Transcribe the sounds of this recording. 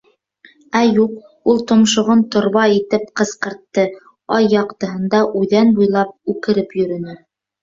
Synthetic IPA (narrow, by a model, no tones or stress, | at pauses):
æjuq | ulˠt̪ŏmʃŏʁont̪ŏɾβɑit̪ɘp̚qɤ̆sqɤ̆ɾt̪ːɤ | ɑjːɑqt̪ɤ̆ɦɤ̆nd̪ɑʔʉðænbujlˠɑp̚ʉkɘ̆ɾɘpjɵ̆ɾɵ̆nɘ